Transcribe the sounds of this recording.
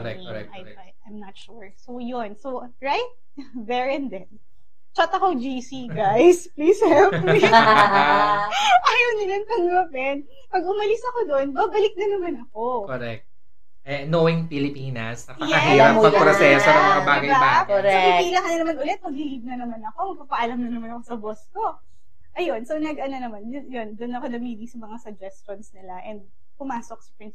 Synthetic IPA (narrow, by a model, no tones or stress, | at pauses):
kɾɛ | ɛaj | ajajmnɐt̪ʃuɹsowjonsow | ɹajt̪̚ | bɛɹɛnd̪ɛn | t͡ʃat̪ɐkod͡ʒisiɡajspliːshɛpis | ʔajɐnɪlɐnpɐɡɐpɛn | pɐɡʔʊmɐlɪsɐkod̪oʔonbaːbɐlɪk̚nɐnɐmanɐkokoɾɛk̚t̪̚ | ʔɛnowɪŋpɪlɪpiːnɐsnɐkɐjɛɐɦiːɾaɐpɾosɛsonɐmɐkɐbaːɡɐjaasɐpɪilɐkɐnɐnɐmanʔʊlɛt̪̚pɐɡ̚lɪlib̚nɐnɐmanɐko̞mɐɡ̚papɐʔɐlɐmnɐnɐmanɐkosɐbosko̞ | ʔɐjo̞nsownɐɡɐnonɐmanjo̞nd̪onːɐko̞nɐmiːd̪isɐmɐŋasɐd͡ʒɛst͡ʃonsnɪlaʔɛnd̪̚ | pʊmaːsok̚sɐ̥pɪns